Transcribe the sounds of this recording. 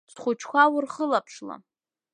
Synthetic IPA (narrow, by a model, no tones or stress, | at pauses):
χʷʊt͡ʃʰkʷawʊrχəlapʰʂla̰